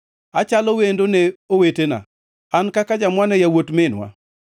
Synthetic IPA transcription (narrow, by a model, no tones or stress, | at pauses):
at͡ʃalowendoneowetena̰ | ankakad͡ʒamwanɛjawotmɪnwa̰